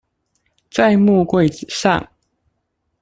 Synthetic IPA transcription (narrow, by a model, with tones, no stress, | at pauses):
t͡sa˥˧ɪmu˥˧kwe˥˨ɪt͡sɹ̩˨˩ʂɑ̰˥˨ŋ